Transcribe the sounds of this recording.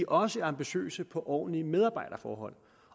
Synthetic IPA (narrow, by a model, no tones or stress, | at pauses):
iʔɒ̽səæɐɑ̈mb̥iɕø̰ːsəpʰɒ̽ʔɒ̰ːnliəmeð̞ˠɑ̈b̥ɑ̈ɪd̥ɐfɒːɦɒ̽l̰